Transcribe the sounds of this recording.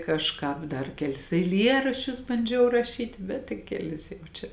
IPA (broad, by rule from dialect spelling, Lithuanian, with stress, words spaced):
kɐʃˈkɑːp dɐr ˈkʲæːˌlʲɪs ɛɪˈlʲiɛrɐʃʲt͡ʃʲʊs bɐnʲˈd͡ʒʲɛʊ rɐˈʃʲiːtʲɪ ˈbʲɛt tɐɪ kʲɛˈlʲɪs jɛʊ ˈt͡ʃʲɛ